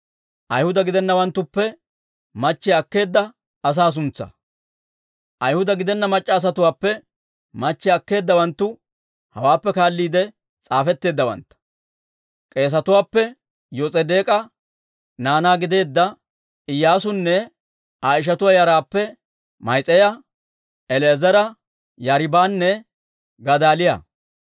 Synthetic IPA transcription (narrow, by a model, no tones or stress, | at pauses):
ʔɐjhʊd̪ɐɡɪd̪ɛnːɐwɐnt̪ːʊpːɛ | mɐt͡ʃːɪjɐkːe̞ːd̪ːɐː | s̬aːs̬ʊnt͡sːɐ̰ | ʔɐjhʊd̪ɐɡɪd̪ɛnːɐmɐt͡ʃʼːɐːs̬ɐt̪ʊwaːpːɛ | mɐt͡ʃːɪɐkːe̞ːd̪ːɐwɐnt̪ːʊ | hɐwaːpːɛkaːlːiːd̪ɛ | t͡sʼaːfɛt̪ːe̞ːd̪ːɐwɐ̰nt̪ɐ̥ | kʼe̞ːs̬ɐt̪ʊwaːpːɛ | jɔt͡sʼɛd̪e̞ːkʼɐ | naːnaːɡɪd̪e̞ːd̪ːɐ | ɪjːaːsʊnːɛ | aːɪʃ̬ɐt̪ʊwajɐɾaːpːɛ | mɐjt͡sʼɛjɐ | ɛlezɐɾɐ | jɐɾɪbaːnːɛ | ɡɐd̪aːlɪjɐ̰